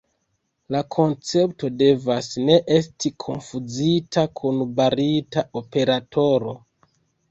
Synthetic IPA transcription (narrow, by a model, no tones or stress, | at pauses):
lakʰo̞nt͡se̞pto̞de̞vasne̞ʔe̞stikʰo̞nfud͡zitakʰunbaɾitaope̞ɾatʰo̞ɾo̞